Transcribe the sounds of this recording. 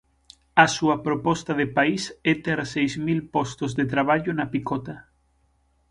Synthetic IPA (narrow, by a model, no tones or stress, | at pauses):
asuapɾopɔst̪aðepaiset̪eɾsejzmilpost̪ozðet̪ɾaβ̞aʎonapikot̪a